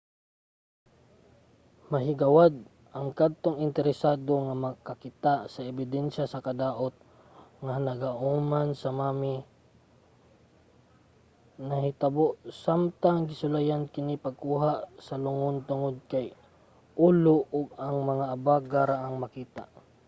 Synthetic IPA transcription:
mɐɦɪɡɐwad̪̚ | ʔɐŋkad̪̚t̪oŋɪnt̪ɛɾɛsaːd̪o̞ŋamɐɡkɐkɪt̪aʔsɐɛbɪd̪ɛnʃasɐkɐd̪aːʔot̪̚ | ŋanɐɡaʔuːmansɐmaːmɪ | nɐhɪt̪ɐboʔsamt̪aŋɡɪsʊlajankɪnipɐɡ̚kuːɦasɐlʊŋʊnt̪ʊŋod̪̚kaj | ʔuːloʔʊɡ̚ɐŋmɐŋaʔɐbaɡaɾaʔaŋmɐkiːt̪a̰ʔ

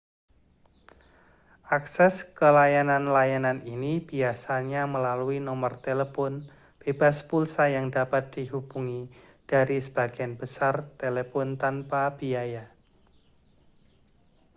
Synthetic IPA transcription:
ʔaksɛskəlajananlajananinib̥iasaɲaməlaluinɔmərt̪eləpɔn | b̥ebaspulsajaŋdapat̪̚d̥iɦub̥uŋid̥aɾisəb̥aɡ̥ianbəsart̪elepɔnt̪anpab̥iaja

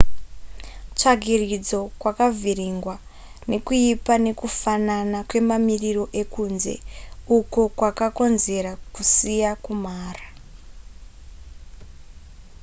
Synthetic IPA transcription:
t͡ʂaɡʱirid͡zo̞kwakaviriŋɡwa | ne̞kuipane̞kufananakwe̞mamiriro̞ʔe̞kuːnze̞̰uko̞kwakako̞nze̞ɾakusijakumaːra

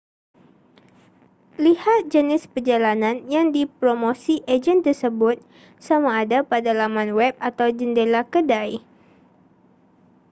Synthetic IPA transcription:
lihat̪̚d͡ʒənɪspərd͡ʒalananjaŋdipɾomosiʔed͡ʒənt̪ərsəbʊt̪̚ | samaːdapadalamanwɛp̚at̪awd͡ʒəndelakədaj

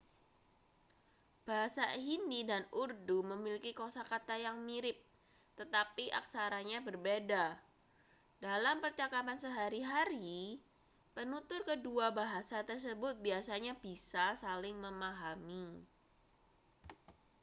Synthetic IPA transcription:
b̥aɦasaɦindidanurduməmilikikosakat̪ajaŋmiɾɪp̚ | t̪ət̪apiʔa̰ksaɾaɲabərbeda | dalampərt͡ʃakapansəɦaɾiɦaɾi | pənut̪ʊrkəduabaɦasat̪ərs̬əbʊt̪̚biasaɲab̥isasalɪŋməmaɦami

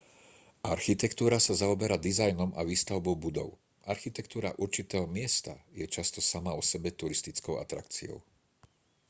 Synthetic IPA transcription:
ʔaɾxit̪ɛkt̪uːɾasazaɔbɛɾad̪izajnɔmʔaʋiːst̪aʊbɔʊbud̪ɔ̰ʊ | ʔaɾxit̪ɛkt̪uːɾa̰ʔuɾt͡ʃit̪ɛːɦɔmɪɛst̪ajɛt͡ʃast̪ɔsamaɔsɛbɛt̪uɾist̪it͡skɔʊʔa̰t̪ɾa̰kt͡sḭɔ̰ʊ

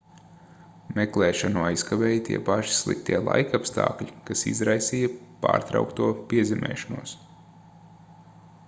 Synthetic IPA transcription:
mɛklˠɛːʃanuajskavɛːjt̪iɛpaʃi̥slˠḭk̚t̪iɛlˠa̰jkapst̪ɑ̰ːkʎʲikasḭzɾajsiːjɐpa̰ːɾt̪ɾa̰wkt̪uɔpiɛzɛmʔɛ̰ːʃanuɔs

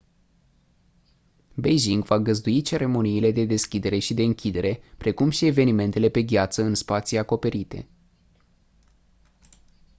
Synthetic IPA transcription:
bejʒiŋɡvaɡəzd̪uit͡ʃe̞ɾe̞mo̞niːle̞d̪e̞d̪e̞skʲid̪e̞ɾe̞ʃid̪e̞ɨŋkʲid̪e̞ɾʔe̞pɾe̞kumʃie̞ve̞nime̞nt̪e̞le̞pe̞ɡʲat̪səɨnspat̪siako̞pe̞ɾit̪e̞̰

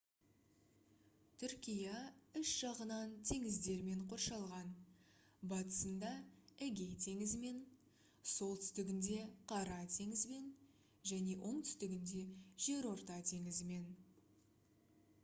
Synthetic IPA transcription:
t̪ʰʏɾkʲijɑʏʃʒ̥ɑʁənɑnt̪ʰe̞ŋɪzd̪e̞ɾme̞ɴqʰo̞rʃɑlˠʁɑn | bɑt̪ə̥sənd̪ɑæɡʲe̞jt̪ʰe̞ŋɪzɪme̞n | so̞lˠt̪ʰʏ̥st̪ɪɡʲɪnd̪e̞qʰɑɾɑt̪ʰe̞ŋɪzme̞n | ʒæne̞ʔo̞ɴt̪ʰʏ̥st̪ɪɡʲɪnd̪e̞ʒ̥e̞ɾwo̞ɾt̪ɑt̪ʰe̞ŋɪzɪme̞n

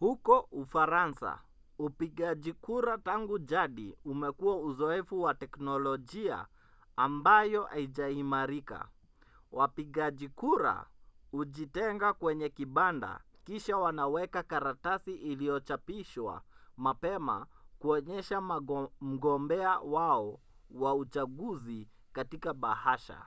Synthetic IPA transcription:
hukɔufaɾansa̰ | upiɠaʄikuɾataŋɡuʄaɗḭumɛkuwauzɔɛfuwatɛknɔlɔʄia̰ː | mbajɔʔa̰iʄaimaɾika̰ | wapiɠaʄikuɾa̰uʄitɛŋɡakwɛɲɛkiɓanda̰kiʃawanawɛkakaɾatasiʔilijɔt͡ʃapiʃwa̰mapɛma̰kuɔɲɛʃam̩ɡɔmbɛawaɔ | waut͡ʃaɠuzi | katikaɓahaʃa̰

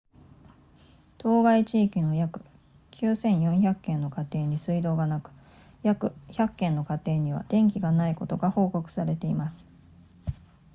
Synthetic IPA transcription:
t̪o̞ːɡait͡ɕiːkʲino̞jakɯ̟̥ | kʲʰɨːsẽ̞ɰ̃jõ̞ɰ̃çakːẽ̞nːo̞kat̪e̞ːɲ̟isɨid̪o̞ːɡanakɯ̟̥ | jakɯ̟çakːẽ̞nːo̞kat̪e̞ːɲ̟iβa̰d̪̥ẽ̞ŋk̬ʲiɡanaiko̞t̪o̞ɡaho̞ːko̞kɯ̟̥saɾe̞t̪e̞imasɨ̥

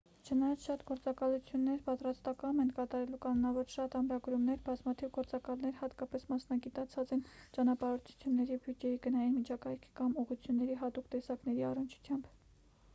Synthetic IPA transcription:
t͡ʃʰənɑjɑt͡sʰʃɑt̪ɡɔɾt͡sɑkɑlut͡sʰjunːɛɾpɑt̪ɾɑst̪ɑkɑɛnkɑt̪ɑɾɛlukɑnnɑvɔɾʃɑt̪ɑmɾɑɡɾumnɛɾbɑzmɑt̪ʰivɡɔɾt͡sɑkɑlnɛɾhɑt̪kɑpɛsmɑsnɑɡit̪ɑt͡sʰɑt͡sɛnt͡ʃɑnɑpɑɾɔt͡s̪ʰu̥t͡sʰjunːɛɾibjud͡ʒɛjiɡənɑjinmit͡ʃʰɑkɑjkʰi̥kɑmuʁut͡sʰjunːɛɾiɦɑt̪ukt̪ɛsɑknɛɾiɑrənt͡ʃʰu̥t͡sʰjɑmb

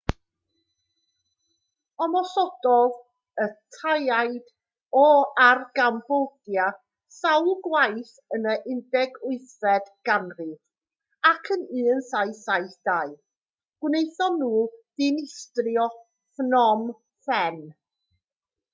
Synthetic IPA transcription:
ɔmɔsɔdɔð | ətʰajajd | ɔarɡambɔd̥ja | sawlˠɡwajθ | ənəʔɪndɛɡʊɨθɛdɡ̥anrɨd̥ | akʰənɨːənsajsajθd̥aɨ | ɡ̥wnejθɔnuːd̥ɪnɪstrjɔ | fnɔm | fɛn

